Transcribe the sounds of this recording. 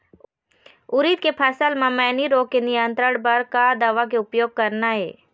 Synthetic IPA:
ʊɾiːt̪̚kepʰɛːsəlmãmɛːniɾoːkːenɪjənt̪ɾəɽbɐɾkad̪aʋak̬eʊpjoːɡ̚kɐɾnaɦeː

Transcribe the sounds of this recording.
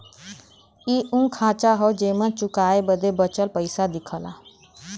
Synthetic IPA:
iːũkʰãːt͡ʃaɦɔd͡ʒeːmə̃t͡ʃʊkaːebəd̪ebət͡ʃəlpəɪsad̪ɪkʰəla̰

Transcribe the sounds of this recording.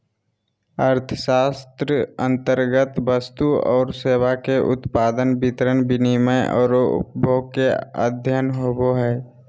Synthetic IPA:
əɾt̪ʰəsaːst̪ɾəə̃nt̪əɾɡət̪ʋəst̪uɔ̰ːɾseːwakeʔʊ̰t̪paːd̪ənbɪt̪ɾənbɪniməjʔɔ̰ːɾoʊ̰pbʱoːkeə̰d̪ʱjənɦoːboɦɛː

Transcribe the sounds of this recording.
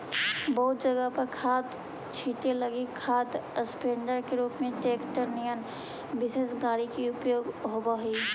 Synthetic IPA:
bəɦʊt̪̚d͡ʒəɡəpəɾkʰaːt̪ | t͡ʃʰiːt̪eləɡikʰaːt̪əspeːndəɾkeɾuːpmẽt̪eːkt̪əɾnijən | bɪseːsɡaːɽikiʊpjoːɡɦoːbaɦiː

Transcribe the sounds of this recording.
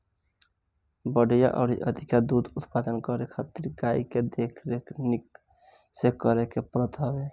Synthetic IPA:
bəɽ̤ja̰ʔɔ̰ɾiʔəd̪ʱikjad̪ud̪ʊt̪pad̪ənkəɾekʰat̪iɾɡaiked̪ekʰɾeknik | sekəɾekepɾət̪ɦəbe

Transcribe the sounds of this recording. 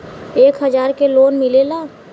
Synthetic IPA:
eːkɦəd͡ʒaːɾkeloːnmɪlelaː

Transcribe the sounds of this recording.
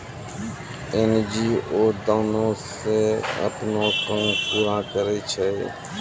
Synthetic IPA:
eːnd͡ʒiːoːd̪aːnõːseːə̰pnõːkə̃ːpuːɾãːkəɾeːt͡ʃʰəeː

